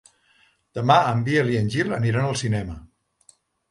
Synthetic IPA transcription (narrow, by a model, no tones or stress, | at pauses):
d̪̥əmaəmbiəliənʲʒilə̰niɾanəlˠsinɛmə